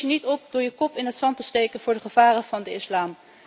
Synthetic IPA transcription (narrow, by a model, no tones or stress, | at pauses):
ənitɔp̚dʊːɹjəkɔpɪnɦətsɑntəstejkənvʊːɹdəχəv̥aːrənv̥ɑndəɪslaːm